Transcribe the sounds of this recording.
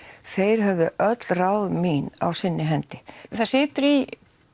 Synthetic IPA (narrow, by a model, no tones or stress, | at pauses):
θejɾ̥ɦɛvðʏʔœt̪lrawðmiːna̰wsɪnːɪɦɛnt̪ɪθasɪːt̪ʏɾi